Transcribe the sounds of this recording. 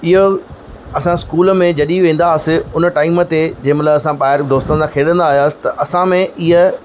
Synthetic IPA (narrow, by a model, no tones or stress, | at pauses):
ɪɦo | ɐsãskuːlə̆mẽd͡ʑɐɗiʋẽːn̆d̪aːsɪ̆ʊnʈaːɪmə̆t̪ed͡ʑẽːmɐt̪ləbɐsãɓaːɪɾd̪oːst̪ə̃nsʰãkʰeːɗə̃nd̪aːɦijaːsɪ̥t̪ɐʔɐsãmẽʔɪɦə